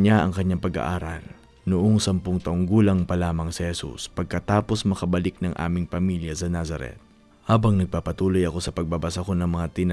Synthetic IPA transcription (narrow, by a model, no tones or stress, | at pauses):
ɲaʔɐ̰ŋkɐɲːaŋpɐɡɐ̰ʔaːɾɐl | nʊʔoŋsɐmpoŋt̪ɐʔʊŋɡuːlɐŋpɐlaːmɐŋsɛhɛsṵspɐɡ̚kɐt̪aːpo̞smɐkɐbɐlɪk̚nɐŋʔa̰ːmɪŋpɐmiljɐsɐnasɐɾɛ̰t̪̚ | haːbɐŋnɐɡ̚paːpɐt̪uːlojɐko̞sɐpɐɡ̚babɐsako̞nɐŋmɐŋat̪ɪnɐ